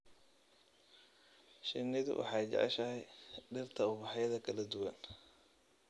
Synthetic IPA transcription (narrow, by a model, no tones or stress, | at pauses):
ʃɪnɪðʊ̰wʔɑ̰ħɑjt͡ʃɑ̰ʕɛ̰ʃɐɦɛjɖɪrt̪ʰɐʊbɑħɑjðɐkʰɐlɐd̪ʊwɐn